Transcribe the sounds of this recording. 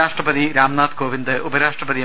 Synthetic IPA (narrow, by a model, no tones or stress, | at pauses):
aːʂʈrɐpɐd̪iɾaːmnaːt̪koːʋind̪ɨubɐɾaːʂʈrɐpɐði